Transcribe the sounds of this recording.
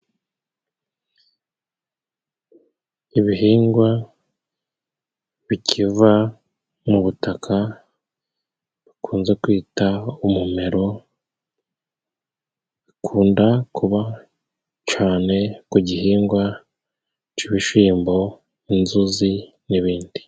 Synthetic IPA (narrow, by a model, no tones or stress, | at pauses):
iβiɦiːŋɡwa | βicʰiva | muβutakʰa | βikʰuːnze̞kwiːtaumume̞ɾo̞ | βikʰuːndakuβa | t͡ʃaːne̞kuɟiɦiːŋɡwa | t͡ʃiβiʃiːmbo̞ | inzuzi | niβiːndi̥